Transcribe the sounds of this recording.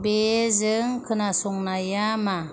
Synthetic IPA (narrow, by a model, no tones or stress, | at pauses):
bezɯŋkʰɯnasoŋnajama